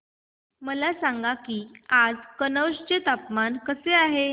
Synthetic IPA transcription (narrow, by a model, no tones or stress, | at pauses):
məlasãŋɡakiːad͡zkənəwɕt͡ɕet̪apmankəseaɦe